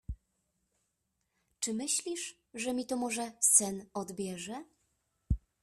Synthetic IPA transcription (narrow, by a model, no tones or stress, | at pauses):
t͡ʂɘmɘɕlʲiʂ | ʐɛmʲit̪ɔmɔʐɛsɛnɔd̪bʲjɛʐɛ